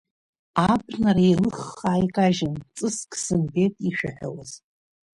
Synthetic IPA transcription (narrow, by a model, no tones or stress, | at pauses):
abʰnarajlɨχːaːjkʼaʒɪnt͡sʼɨskʰʼsɨnbetʼiʃᶣaħʷᶣawaz̥